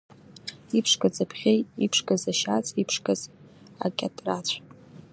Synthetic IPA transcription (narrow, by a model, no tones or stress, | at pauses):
ipʰʂkʼɨd͡zapʰχʲejipʰʂkʼazaʃat͡sʼipʰʂkʼɨz | a̰kʲʼatʼrat͡ɕʷʰʼ